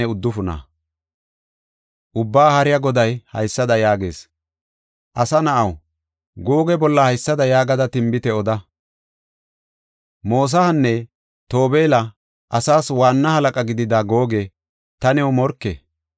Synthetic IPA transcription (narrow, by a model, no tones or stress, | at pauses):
ɛʊd̪ːʊfʊnɐ̰ | ʔʊbːaːhɐɾɪjɐɡɔd̪ɐjhɐ̰jsːɐd̪ɐjaːɡḛːs | ʔɐsɐnɐʔɐw | ɡo̞ːɡɛbɔlːɐhɐjsːɐd̪ɐjaːɡɐd̪ɐt̪ɪmbɪt̪ɛɔd̪ɐ | mo̞ːs̬ɐhɐnːɛ | t̪o̞ːbe̞ːlɐ | ʔɐsaːswaːnːɐhɐlɐkʼɐɡɪd̪ɪd̪aːɡo̞ːɡɛ | t̪ɐnɛwmɔɾkːɛ